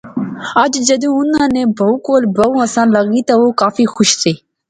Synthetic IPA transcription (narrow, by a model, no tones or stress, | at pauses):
ad͡ʒd͡ʒəd̪ũːʊnãːnẽːbʱəukoːlbəũːəsãːləɡiːt̪aʋoːkaːfiːxʊʃseː